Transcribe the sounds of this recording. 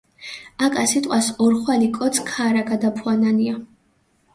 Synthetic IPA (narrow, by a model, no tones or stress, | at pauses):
akʼasit̪ʼwasɔɾχwalikʼɔt̪sʰkʰaɾaɡad̪apʰuanania